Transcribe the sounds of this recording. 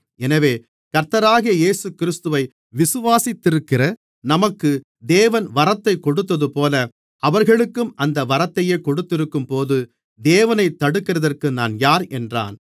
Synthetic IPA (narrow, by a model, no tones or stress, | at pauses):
ɛnɐʋeː | kɐɾt̪ːɐɾaːɣɐjɐjeːsɯkɪɾɪst̪ɯʋɐɪ | ʋɪsɯʋaːsɪt̪ːɪɾɯkːɪrɐ | nɐmɐkːɯ | d̪eːʋɐnʋɐɾɐt̪ːɐɪkːɔɽɯt̪ːɐðɯpoːlɐ | ʔɐʋɐɾɣɐɭɯkːɯmʔɐnd̪ɐʋɐɾɐt̪ːɐjeːkɔɽɯt̪ːɪɾɯkːɯmpoːðɯ | d̪eːʋɐnɐɪt̪ːɐɽɯkːɪrɐðɐrkɯnaːnjaːɾɛndra̰ːn